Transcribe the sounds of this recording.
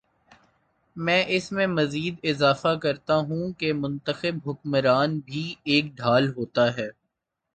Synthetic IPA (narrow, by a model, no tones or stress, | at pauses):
mɛ̃ːʔɪsmẽmɐziːd̪ɪzaːfakɐɾt̪aɦũkemʊ̃nt̪əxɪbɦʊkməɾaːnbʱieːk̚ɖʱaːlɦoːt̪aɦɛː